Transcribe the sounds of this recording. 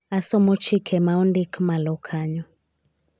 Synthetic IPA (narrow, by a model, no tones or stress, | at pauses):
asɔmɔt͡ʃʰikʰɛmaundikʰmalɔkʰaɲɔ